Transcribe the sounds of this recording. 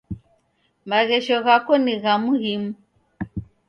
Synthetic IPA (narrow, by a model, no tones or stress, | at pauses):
maɣɛʃɔɣakɔniɣamuhimu